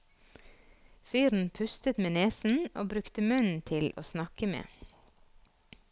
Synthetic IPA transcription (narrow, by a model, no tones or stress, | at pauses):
fyːɾn̩pʰʉst̪ət̪meːneːsn̩oːbɾʉkt̪əmœn̩t̪ʰɪlʔo̰ːsnɑkəmḛː